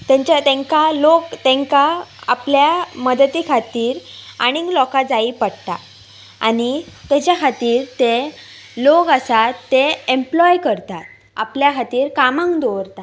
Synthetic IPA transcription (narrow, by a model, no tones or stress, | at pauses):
t̪jãɲt͡ɕat̪ẽŋkalokt̪ẽŋkaa̰pljaməd̪ət̪ikʰat̪iːɾaɽ̃ĩŋɡlɔkad͡zaipəɽt̪a̰ | añit̪ed͡ʑjakʰat̪iːɾt̪e | lokasat̪ːeemplɔjkəɾt̪at̪ | a̰pljakʰat̪iːɾkamãŋkd̪oʋɾt̪a